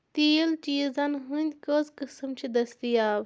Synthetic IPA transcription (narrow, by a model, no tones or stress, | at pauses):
t̪iːlt͡ʃiːzɐnɦɨnʲkɐzkɨsɨmt͡ʃʰid̪ɐst̪ijaːb